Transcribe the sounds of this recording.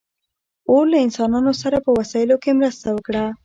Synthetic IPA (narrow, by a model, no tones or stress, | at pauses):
olaɪnsɑnɑnosaɾapəwasɑjɪlokemɾəst̪awəkɽa